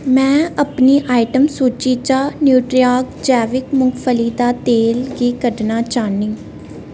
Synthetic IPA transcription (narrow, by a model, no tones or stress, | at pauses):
mɛ̃ːəpniːʔaːiʈəmsuːt͡ʃiːt͡ʃaːnjuːʈɾiaːkd͡ʒɛːʋɪkmʊŋɡpʰəliːd̪aːt̪eːlɡiːkəɖnaːt͡ʃaːnĩː